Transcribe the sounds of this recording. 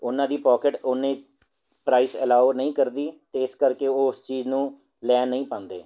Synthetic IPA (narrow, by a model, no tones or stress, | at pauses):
ʊnãːd̪iːpɔːkəʈoːnẽː | pɾaːiːsəlaːoːnəĩːkəɾd̪iːt̪eːɪskəɾkeːoːʊst͡ʃiːznũː | lɛːnːəĩːpãːnd̪ḛː